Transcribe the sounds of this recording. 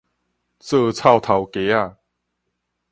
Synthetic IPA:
t͡sɤ˥˧t͡sʰa˥˧wt̪ʰa˨wke˨˦a˧˨

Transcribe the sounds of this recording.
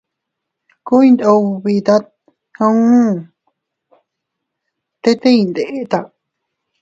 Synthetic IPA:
ku˦ĩ˧nd̪o˧βi˧t̪a˦t̪̚ | hã˧ũ˦ | t̪e˦t̪e˦ĩ˧nd̪e˨ʔe˦t̪a˧

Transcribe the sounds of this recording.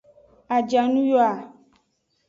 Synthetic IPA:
a˨d͡ʒa˨nũ˦jɔ˦a˨

